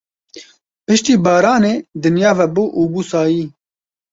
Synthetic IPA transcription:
pɨʃt̪iːbɑːɾaːneːd̪ɨnjaːvɛbuʔuːbuːsaːjiː

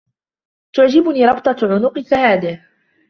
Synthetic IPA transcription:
t̪ʊʕd͡ʒɪbʊniːɾˤɑbt̪ˤɑʕʊnʊqɨθahaːd̪ɪh

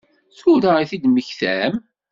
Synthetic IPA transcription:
θʊɾaiθid̪məçθæm

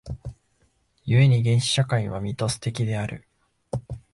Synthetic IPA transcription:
jɯ̟e̞ɲ̟iɡẽ̞ɰ̃ɕi̥ɕakaiβ̞amʲit̪o̞sɨ̥t̪e̞kʲid̪e̞aɾɯ̟̰

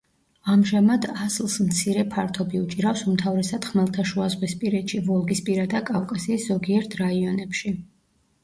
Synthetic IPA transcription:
amʒamad̪aslˠsmt̪sʰiɾɛpʰaɾt̪ʰɔbiut͡ʃʼiɾafsumt̪ʰavɾɛsad̪̥χmɛlˠt̪ʰaʃuazʁwispʼiɾɛt̪ʃivɔlˠɡispʼiɾad̪akʼavkʼasiːsz̥ɔɡiɛɾt̪ʰɾaiɔnɛpʃi

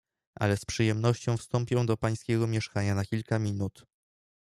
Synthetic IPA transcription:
ʔa̰lɛspʂɘjɛmnɔɕt͡ɕɔ̃w̃fst̪ɔmpʲjɛ̃w̃d̪ɔpaj̃skʲɛɡɔmʲjɛʂkaɲanakʲilkamʲinut̪

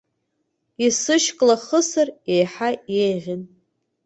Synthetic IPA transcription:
isɨʃkʼlaχəsarejħaejʁʲɪn

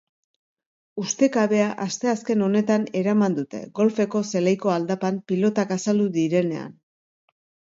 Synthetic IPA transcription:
ust̪e̞kaβe̞aʔast̪e̞aske̞no̞ne̞t̪ane̞ɾamand̪ut̪e̞̰ɣo̞lfe̞ko̞se̞lejko̞ald̪apampilo̞t̪akasald̪uðiɾe̞ne̞̰a̰n

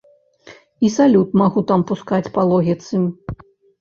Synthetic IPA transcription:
isalʲut̪maɣut̪ampuskat͡sʲpalˠɔɣʲit̪sɨmʲ

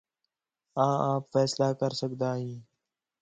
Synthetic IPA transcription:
ãːãːpfɛːslaːkəɾsəkd̪aːɦĩː

